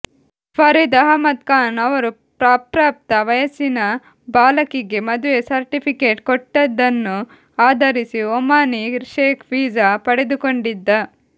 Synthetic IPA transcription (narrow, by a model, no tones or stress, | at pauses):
pʰɐɾid̪ɐɦɐmɐt̪̚kaːnɐʋɐɾu | pɾaːpɾaːp̚t̪ɐʋɐjɐsinɐ | baːlɐkiɡe̞mɐd̪uʋesɐɾʈipʰikeːʈkoʈːɐd̪ːɐnːu | aːd̪ʱɐɾisiomaːniʃeːkʰʋiːd͡ʒapɐɽed̪ukoɳɖid̪ːɐ